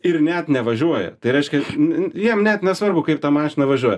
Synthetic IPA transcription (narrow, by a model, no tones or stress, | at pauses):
ɪrnʲɛt̪nʲɛʋɐʒʲuɔjɛ̰t̪ɐɪɾʲɛɪʃʲkʲɛnjiɛmnʲɛt̪nʲɛsʋɐrbʊkɐɪp̚t̪ɑːmɑːʃʲɪnɐʋɐʒʲuɔjɛ